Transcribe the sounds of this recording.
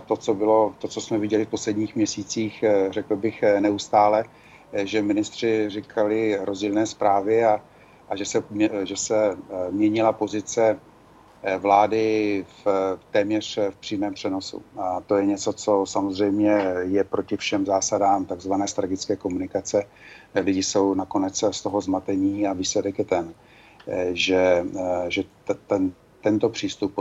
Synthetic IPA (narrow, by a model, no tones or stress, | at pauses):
t̪o̞t͡sobɪlo̞t̪o̞t͡sosmɛvɪɟɛlɪfpo̞slɛdɲiːxmɲɛsiːt͡siːxr̝ɛkl̩bɪxnɛust̪aːlɛ | ʒɛmɪnɪst̪r̝̥ɪrɪkʰalɪɾo̞zɟiːlnɛːspɾaːvɪa | ʔaʒɛsɛʒɛsɛmɲɛɲɪlapo̞zɪt͡sɛ | vlaːdɪft̪ɛːmɲɛr̝̥fpr̥iːmɛːmpr̝̥ɛno̞sṵt̪o̞jɛɲɛt͡so̞t͡so̞samozr̝ɛjmɲɛjɛpɾo̞cɪfʃɛmzaːsadaːmt̪aɡzvanɛːst̪ɾaɡɪt͡skɛːko̞munɪkat͡sɛlɪɟɪso̞wnako̞nɛt͡sst̪o̞ɦo̞zmat̪ɛɲiːaviːslɛdɛkjɛt̪ɛn | ʒɛʒɛ | t̪ɛn | t̪ɛnt̪o̞pr̥iːst̪up